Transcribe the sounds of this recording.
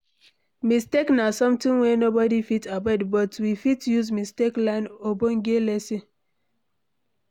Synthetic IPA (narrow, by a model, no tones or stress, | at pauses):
misteknasɔ̃mtĩnwɛnobɔdifitʰabɛdbɔtwifitjuzmisteklãɪ̃noboŋɡelɛsi